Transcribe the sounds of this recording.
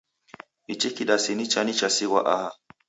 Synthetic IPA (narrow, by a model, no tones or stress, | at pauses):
it͡ʃikiɗasinit͡ʃanit͡ʃasiɣwa̰ʔaha